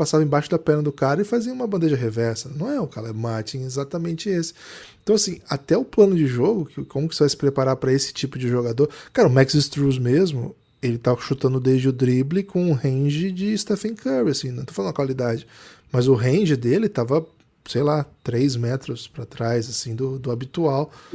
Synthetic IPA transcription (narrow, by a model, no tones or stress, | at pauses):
pasavɐ̃ẽbaʃʊd̪ɐpɛɾnɐd̪ʊkaɾɐɪfaziɐumɐbɐ̃nd̪eʒɐɦevɛɾsɐnɐ̃w̃ɛʊkaɾɐɛmaɾt͡ʃĩezat̪ɐmẽnt͡ʃɪesɪ̥ẽt̪ɐ̃w̃asĩat̪ɛʊplɐ̃nʊd͡ʒɪʒoɡʊkɪkõmʊkɪsɪvajsɪ̥pɾepaɾaɾpɾɐesɪ̥t͡ʃipʊd͡ʒɪʒoɡad̪oɾkaɾɐʊmɛkzɪst̪ɾuzmezmʊ̰ | elɪt̪avɐʃut̪ɐ̃nd̪ʊd̪ezd͡ʒɪʊd̪ɾiblɪkõʊ̃hẽʒɪd͡ʒɪːst̪ɛfẽkʰɛɾiasĩnɐ̃w̃t̪ofaẽd̪ũɐkwalid̪ad͡ʒɪmɐzʊɦẽʒɪd̪elɪt̪avɐ | sejlat̪ɾejzmɛt̪ɾʊspɾat̪ɾajzasĩd̪ʊd̪ʊabit̪uaw